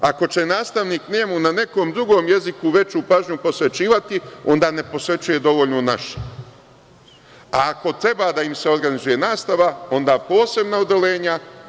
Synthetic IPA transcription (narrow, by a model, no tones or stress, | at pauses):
ako̞t͡ʃe̞naːst̪aʋniːkneːmunane̞ko̞ːmd̪ɾuɡo̞ːmje̞zikuʋe̞t͡ɕuːpaːʒɲupo̞sʋe̞t͡ʃiːʋat̪io̞̰nd̪aːne̞po̞sʋe̞t͡ʃuje̞d̪o̞ʋoʎnona̰ʃe̥ | aːko̞t̪ɾe̞baːd̪aimse̞o̞ɾɡanizuje̞naːst̪aʋao̞nd̪aːpo̞ːse̞bnaod̪ele̞ːɲa